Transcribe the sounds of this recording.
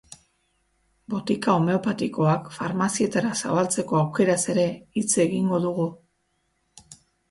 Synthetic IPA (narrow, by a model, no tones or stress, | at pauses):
bo̞t̪ikao̞me̞o̞pat̪iko̞akfaɾmasie̞t̪aɾasa̰βalt͡se̞ko̞awke̞ɾase̞ɾe̞it͡seɣiŋɡo̞ðuɣ̞u